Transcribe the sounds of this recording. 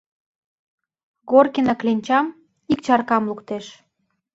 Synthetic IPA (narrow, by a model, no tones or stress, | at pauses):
ɣorkinɑklenʲt͡ɕɑm | ik̚t͡ɕɑrkɑmlukt̪eʃ